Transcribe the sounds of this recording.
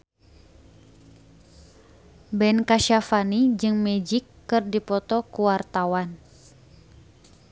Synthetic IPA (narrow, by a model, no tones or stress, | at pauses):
bɛnkaʃafanid͡ʒɨŋmɛd͡ʒikːɨrdipɔt̪ɔkuwart̪awan